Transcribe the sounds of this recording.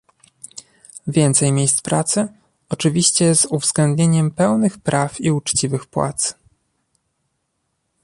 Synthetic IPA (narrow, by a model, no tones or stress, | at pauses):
vʲjɛnt̪sɛjmʲjejst̪pɾat̪sɘ | ɔt͡ʂɘvʲiɕt͡ɕɛzuvzɡlɛnd̪̚ɲeɲɛmpɛwnɘxpɾʔafiut͡ʂt͡ɕivɘxpwa̰t̪s